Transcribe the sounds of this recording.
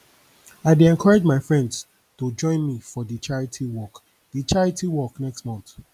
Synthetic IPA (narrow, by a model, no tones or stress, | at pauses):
aɪdeɛ̃nkʰɔɹad͡ʒmaɪfɹɛ̃nds | tud͡ʒɔ̃ɪ̃nmifɔdit͡ʃaɹitʰiwɔk | dit͡ʃaɹitʰiwɔknɛkstmɔ̃nθ